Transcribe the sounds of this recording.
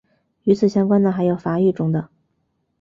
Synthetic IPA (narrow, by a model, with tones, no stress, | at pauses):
y˧˥t͡sʰɹ̩˨˩ɕjɑ˥ŋkwa˥nd̪ə˨xa˧˥ɪjo˨˩ʊfa˧˥y˥˩ʈ͡ʂʊ˥ŋd̪ə˨